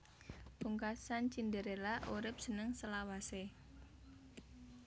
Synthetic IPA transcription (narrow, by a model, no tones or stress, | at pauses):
b̥uŋkasant͡ʃindəɾelaʔuɾɪp̚sənəŋsəlawase